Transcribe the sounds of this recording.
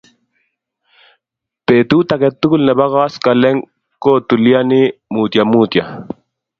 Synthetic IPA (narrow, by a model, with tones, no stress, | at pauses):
peː˨t̪u˦t̪a˨kɛt̪ːu˦ku˦lnɛ˨ba˦ɣaː˦ska˨lɛ˦ŋ | ko˦t̪u˨li˦a˦ni˦muː˨t̪ja˨mut̪ja˨